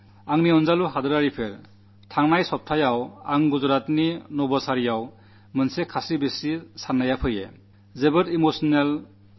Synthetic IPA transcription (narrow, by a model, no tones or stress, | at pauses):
aŋniɔnzaluɦadɯɾaɾipʰeɾ | tʰaŋnajsɔp̚tʰajawaŋɡuzɔɾatninɔbɔsaɾijaw | mɯnsekʰasibesisanːajapʰɯjḛ | zebɯtimosɔnel